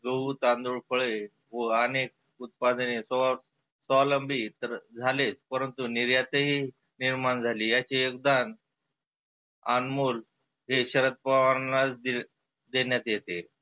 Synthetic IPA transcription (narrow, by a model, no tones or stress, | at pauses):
ɡəut̪and̪uɭfʰəɭe | ʋəənek̚ | ut̪̚pad̪nesəa | səʋaləmbit̪əɾd͡zʱalet͡spəɾənt̪uniɾjat̪əɦi | niɾmand͡zʱaliːjat͡ɕiekd̪an | anmuːl | ɦeɕəɾət̪̚paʋanat͡sd̪i | d̪enjat̪jet̪e